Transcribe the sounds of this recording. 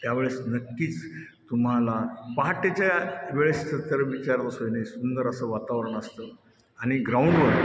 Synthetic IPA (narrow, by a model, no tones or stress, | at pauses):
t̪jaʋeɭesnəkːiːt͡s | t̪um̤alapaɦʈet͡ɕjaʋeɭest̪ət̪əɾəʋit͡ɕaɾləsojnaisund̪əɾəsəʋat̪aʋɾəɳ̃əst̪ə | aɽ̃iɡɾauɳɖʋəɽ